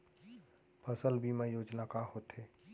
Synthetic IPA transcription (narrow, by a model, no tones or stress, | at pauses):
pʰəsəlbʱimẽjoːd͡ʒnakaɦoːt̪eː